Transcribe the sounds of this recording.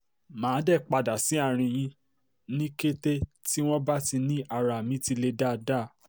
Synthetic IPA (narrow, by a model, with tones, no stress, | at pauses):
mãː˨˦dɛ˦˨k͡pa˧da˨si˨˦a˦˨ɾ̃ĩ˧j̃ĩ˧ | nĩ˦ke˦te˦ti˦w̃ɔ̃˦ba˦ti˧nĩ˦ʔa˧˨ɾa˨mĩ˨˦ti˧le˧da˦˨da˦˨